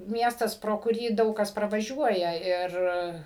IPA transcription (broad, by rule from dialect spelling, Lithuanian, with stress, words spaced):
ˈmʲiɛstɐs proː kʊˈrʲiː ˈdɐʊk kɐs prɐʋɐˈʒʲuɔjɛ ˈɪr